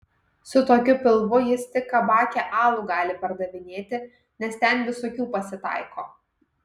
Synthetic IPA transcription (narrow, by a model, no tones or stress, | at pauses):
sʊt̪oːkʲʊpʲɪlˠʋʊjɪst̪ʲɪkːɐbɑːkʲeːʔɑːlˠuɡɑːlʲɪpɐɾd̪ɐʋʲɪnʲeːt̪ʲɪ | nʲɛst̪ʲɛnʋʲɪsoːkʲuːpɐsʲɪt̪ɑ̰ˑɪkoː